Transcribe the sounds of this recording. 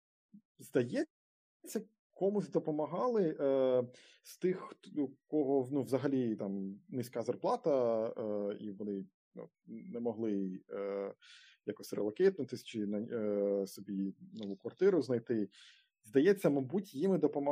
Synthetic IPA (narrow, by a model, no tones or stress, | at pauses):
zd̪ɐjɛ | t͡sʲːɐ | kɔmʊzʲd̪ɔpɔmɐɦɑlˠɪʔ | st̪ɪxkɔɦɔnuʋzɐɦɐlʲit̪ɑmnɪsʲkɑzɐrplˠɑt̪ɐ | iʋɔnɪ | nṵ | nɛmɔɦlˠɪ | ja̰kɔsʲrḛlˠɐkɛt̪̚nʊt̪ɪsʲt͡ʃɪnɐsɔbʲinɔʋukʋɐrt̪ɪɾʊznɐjt̪ɪ | zd̪ɐjɛt͡sʲːɐmɐbutʲjimɪd̪ɔpɔmɐ